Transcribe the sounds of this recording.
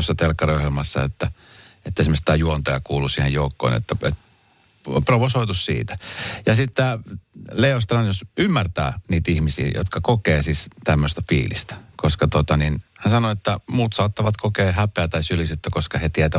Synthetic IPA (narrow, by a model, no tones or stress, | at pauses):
osːɑt̪elkːɑriohjelmɑsːɑ̰ḛt̪ːæ | et̪ːæsimːost̪ːæːjuont̪ojɑkuːlusiːhejoukːo̰ːnḛt̪ːæet̪̚ | proʋosoit̪ussḭːt̪æ̥jɑsit̪ːæːleost̪rɑnjosymːært̪æ̰ːniːt̪ihmisḭːjo̰t̪kɑkokeːsist̪æmːøst̪æfḭːlḭst̪æ̥koskɑt̪ot̪ɑninhænsɑnoet̪ːæmuːt̪sɑːt̪ːɑʋɑt̪kʰokeːhæpeæt̪ɑjsylisyt̪ːækoskɑhet̪iɛt̪æ